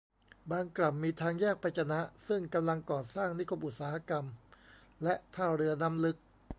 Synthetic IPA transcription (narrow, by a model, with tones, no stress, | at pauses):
baː˧ŋkla˨˩mːiː˧t̪ʰaː˧ŋjɛː˥˩k̚pʰa˧jt͡ɕʰa˧na˦˥ʔsɯ˥˩ŋka˧mla˧ŋkɔː˨˩saː˥˩ŋni˦˥kʰo˦˥pʔu˨˩saː˦ha˦˥ka˧m | lɛ˦˥ʔt̪ʰaː˥˩wɾɯ˧ɐna˦˥mlɯ˦˥k̚